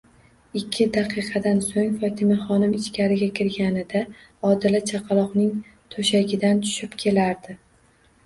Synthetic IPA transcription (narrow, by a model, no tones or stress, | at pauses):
ɪkʲʰːɪd̪aqʰɨqʰɑd̪ansoŋfɒt̪ʰɪmaχɒnɪmɪt͡ʃkʲaɾɪɡʲakʲʰɪɾɡʲanɪd̪a | ɒd̪ɪlat͡ʃʰaqʰɑlˠɒqnɪŋ | t̪ʰoʃaɡʲɪd̪ant̪ʰʊ̥ʃɪpkʲʰe̞laɾd̪ɪ